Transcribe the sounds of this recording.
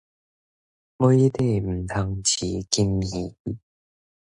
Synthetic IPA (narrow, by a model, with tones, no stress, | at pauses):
mo˧˦t̪e˥˧˨m̩˨˩t̪ʰa˧ŋt͡ɕʰi˨˦ki˦mhi˨˦